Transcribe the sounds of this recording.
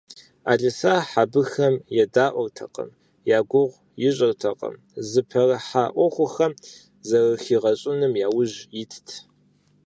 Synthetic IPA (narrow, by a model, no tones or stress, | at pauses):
a̰ːɮʼɐsaːħabɨxɐmjɛdaːʔʷɔrtʰɐ̰qʼə̰m | jaːɡʷʊʁʷ | jɪɕʼɐrtʰɐqʼə̰m | zɨpʰɐrɐħaʔʷɔχʷʊxɐm | zɐrɨxiːʁɐɕʼɪnɨmjaːwʊʑjɪtʰtʰ